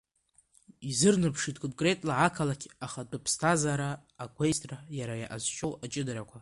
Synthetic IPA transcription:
izɨrnɨpʰʂitkʼomkʼre̞tʼlaʕakʰalakʲʰaχadɨpʰstʰazaɾaːɡʷejstʼrajaɾaja̰ʔazʃʰʼo̞wat͡ʃʼɪdaɾakʷʰa

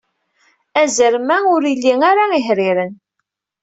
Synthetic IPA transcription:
æzəɾmæʊɾilːiŋaɾaiħɾiɾən

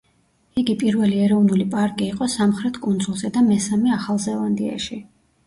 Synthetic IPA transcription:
iɡipʼiɾvɛliɛɾɔvnulipʼaɾkʼiːqʼɔsamχɾɛt̪ʰkʼund̪zulˠzɛd̪amɛsamɛaχalˠzɛlˠand̪ia̰ʃi

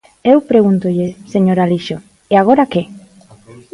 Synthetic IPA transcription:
ewpɾeɣunt̪ʊʎɪseɲoɾaliʃo | eaɣ̞oɾake

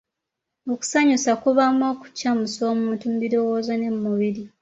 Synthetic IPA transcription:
o̞ku̥saɲusakuβamo̞ːku̥camuso̞ːmuːntum̩biɾo̞woːzone̞mːuβiɾi

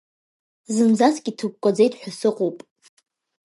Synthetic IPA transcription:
zɨmzaskʲʼitʰɨk̚ʷkʷʼad͡zejtʼħʷᶣasɨqʼopʼ

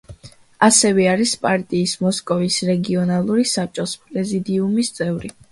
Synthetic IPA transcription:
asɛvɛaɾispʼaɾt̪ʼiːsmɔskʼɔvisɾɛɡiɔnalˠuɾisap̚t͡ʃʼɔspʼɾɛzid̪iumist̪sʼɛvɾi

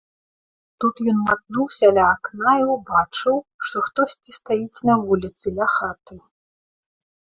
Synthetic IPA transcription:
t̪ut̪jɔnmad̪̚nuwsʲalʲaːknajɛwbat͡ʂɨwʂt̪ɔxt̪ɔsʲt͡sʲist̪ajit͡sʲnɐvulʲit̪sɨlʲaxat̪ɨ

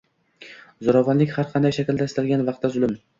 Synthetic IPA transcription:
zʊɾɒvanlɪkʲhaɾqʰɑnd̪ajʃakʲɪld̪aɪst̪alɡʲanvɑq̚t̪ːazʊlˠɪm

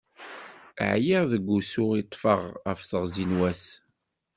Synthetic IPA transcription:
ʕjiʁðəɡʷːusʊʁit̪ˤːfəʁəfθəʁzinwæs

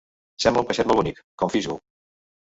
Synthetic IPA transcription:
sɛmbəumpəʃɛt̪mɔlβunikkɔɱfiʒṵ

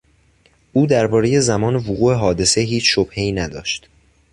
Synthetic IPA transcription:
ʔuːd̪æɾbɒːɾe̞je̞zæmɒːnevoɣuːe̞ɦɒːd̪e̞se̞ɦiːt͡ʃʰʃob̥he̞iːnæd̪ɒːʃt̪

